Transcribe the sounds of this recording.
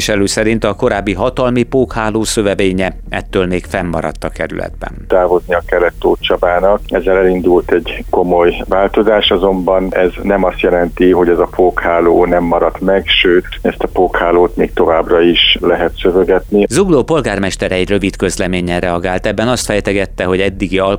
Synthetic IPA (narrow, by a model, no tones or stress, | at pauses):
ʃɛløːsɛɾint̪ɒko̞ɾaːbːiɦɒt̪ɒlmipoːkhaːloːsøvɛveːɲɛ | ɛt̪ːøːlmeːkfɛmːɒ̰ɾɒ̰t̪ːɒkɛ̰ɾy̰lɛ̰d̪bɛ̰nt̪aːvo̞zniɒkɛlɛt̪ːoːt͡ʃɒbaːnɒkɛzːɛlɛlind̪ult̪ɛɟko̞mojvaːlt̪o̞zaːʃɒzo̞mbɒnɛznɛmɒst̪jɛlɛnt̪iɦo̞ɟɛzɒpoːkhaːloːnɛmːɒɾɒt̪mɛɡʃøːt̪ɛst̪ɒpoːkhaːloːt̪meːk̚t̪o̞vaːbrɒiʃlɛɦɛt̪søvøɡɛt̪nizuɡloːpo̞lɡaːrmɛʃt̪ɛɾɛɛɟrøvit̪kø̞zlɛmeːɲɛnrɛɒɡaːlt̪ɛbːɛnɒst̪fɛjt̪ɛɡɛt̪ːɛɦo̞ɟɛd̪ːiɡiɒl